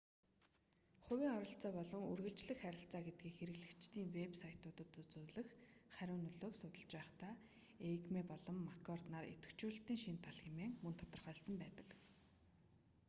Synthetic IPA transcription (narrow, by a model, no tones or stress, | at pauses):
χʊwʲiːŋɔɾɞ̆ɬt͡sɔːpɔɮɞ̆ŋɵrɣɘ̆ɬt͡ɕɮɘ̆xχæɾʲɪ̆ɬt͡saːɡet̪̚ɡiːxeɾɘ̆ɣɮɘ̆kt͡ɕt̪iːŋwepsajʰt̪ʊːt̪ə̆t̪ut͡suːɮɘ̆x | χæɾʲʊːnɵɮoːksʊt̪ə̆ɮt͡ɕpæːχt̪ʰaː | ekmeːpɔɮɞ̆mːakʰɔrt̪naːɾḛt̪ɘ̥̆kt͡ɕuːɬt̪iːŋʃint̪ʰaɮxemeːŋmɵnt̪ʰɔ̥t̪ɞ̆rχœːɮsɞ̆mpæːt̪ə̥̆k